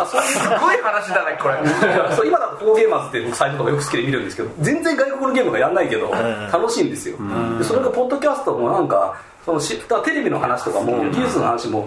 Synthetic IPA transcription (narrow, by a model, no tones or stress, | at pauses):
asoɾskoihanaɕid̪anaikoɾesoimad̪akːakoːɡe̞ːmat͡sɨ̥t̪ːebo̞kɯ̟sait̪o̞t̪okajo̞kɯ̟sɨ̥kʲid̪emiɾɯ̟nd̪e̞sɨ̥ke̞d̪od͡zẽ̞nd͡zẽ̞ŋɡaikokɯɾɯɡʲe̞ːmɯ̟ɡajanːaike̞d̪o̞̰t̪ano̞ɕĩːnd̪e̞sɨjo̞̰d̪esoɾeɡapo̞d̪ːo̞kʲasɨ̥t̪omo̞nãŋka̰ | so̞noɕipːɯ̟̥t̪oat̪e̞ɾe̞bʲino̞̰hanaɕi̥t̪o̞kamo̞̰ɡʲiːsɨnohanaɕimo̞